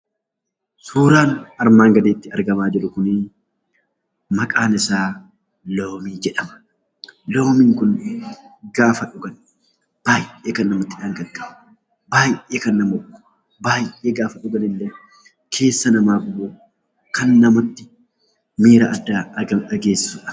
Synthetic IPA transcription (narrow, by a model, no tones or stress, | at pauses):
suːɾaːnɐɾmaːŋɡɐd̪eːt̪ːɪɐɾɡɐmaːd͡ʒɪɾʊkʊnɪ | mɐkʼaːnɪsaː | loːmiːd͡ʒɛᶑɐmɐ̥ | loːmiŋkʊn | ɡaːfɐᶑʊɡɐn | b̥aːjeːkɐnːɐmɔt̪ːɪᶑaːŋɡɐdːɐ | baːjʔʔeːkɐnːɐmɔ̥ | baːjeːɡaːfɐᶑʊɡɐnɪlːɛ | kʰe̞ːsːɐnɐmaːbʊbuː | kɐnːɐmɔt̪ːɪ | miːɾɐʔɐd̪ːaːɐɐᶑɐɡe̞ːsːʊᶑɐ̥